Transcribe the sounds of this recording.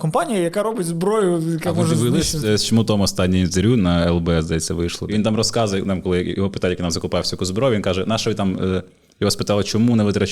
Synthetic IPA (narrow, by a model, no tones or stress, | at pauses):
kɔmpɑnʲijɐjɐkaɾɔbɪtʲzbɾɔjʊjɐkɛmɔʒʋɪlˠsɛst͡ʃɔmut̪ɔmɔst̪ɑnʲːij̪zɪɾʲunɐɛlˠbɛɛzd̪ɐjɛt͡sʲsʲːɐʋɪʃlˠɔ̰ʋint̪ɑmrɔskɑzɐjnɑmkɔlˠɪjɔɦɔpɪ̥t̪anʲjkinɑmzɐkʊpɑjɪwsʲɐj̪kuzbɾoɔjʊʋʲinkɑʒɛnɑʃɐʋɪt̪ɑmə | jɔɦɔspɪt̪ɑlˠɐt͡ʃɔmunɛʋɪt̪ɾɐ